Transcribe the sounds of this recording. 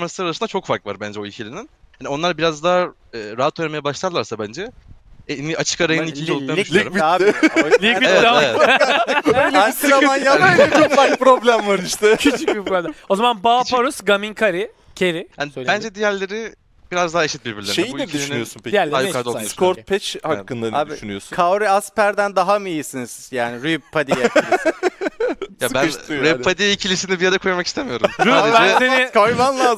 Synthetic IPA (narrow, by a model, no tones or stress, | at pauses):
maɾslˠaɾaɾasɯnd̪at͡ʃʰo̞kfaɾkva̰ɾbænd͡ʒɛoicʰilʲininhanionˠaɾbiɾazd̪aɦa | ɛːɾaat̪ʰojʲemejabaʃlˠad̪ɯlˠaɾsabænd͡ʒɛ | niʔat͡ʃʰɯ̥kaɾajɯnnicʰind͡ʒiolˠaʃiɾmi | lʲiieɛaeɛ | ansaanjait͡ʃʰokfaɾkpɾoblʲæmvaɾiʃt̪ʰɛcʰyycbipɾoblʲæo̞zamanbaːpaɾusɡamiŋkʰaɾɪ | cʰeɾihaølʲbænd͡ʒɛd̪ijæɾlʲe̞ɾi | biɾazd̪aɦaeʃit̪̚biɾbiɾlʲeʃejiuiɛd̪ʲlʲinjosu̥ijæɾlʲajkaɾd̪oskʰoɾt̪̚pʰɛt͡ʃhakːɯnd̪aaːb̪ʃynyjoskʰawɾiaspæɾd̪ænd̪aɦamɯijisiniz̥jaːniɾypʰad̪ia | jabænɾepʰːad̪iicʰilʲisinibijad̪akʰuɾamakist̪emijo̞ɾumɾyad̪bɛsenikʰajvanlˠaːz